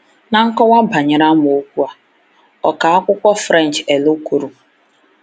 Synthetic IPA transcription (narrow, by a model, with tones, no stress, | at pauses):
na˨ŋ̩˦kɔ˦wa˦ba˨ɲɪ˨ɾa˦m˨o˦kʷu˦a˦ | ɔ˨ka˨a˦kʷʊ˦kʷɔ˦fɾɛ˦˨n˨t͡ʃe˨lo˦ku˨ɾu˨